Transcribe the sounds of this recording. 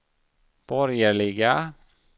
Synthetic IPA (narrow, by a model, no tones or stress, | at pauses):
b̥ɔɾjəɭɪɡa